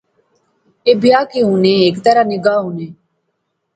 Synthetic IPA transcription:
eːbɪjaːkeːɦũːnẽːeːkt̪əɾaːnɪɡaːɦoːnẽː

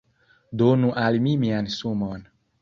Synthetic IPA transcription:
d̪onũʔalimimianisumɔn

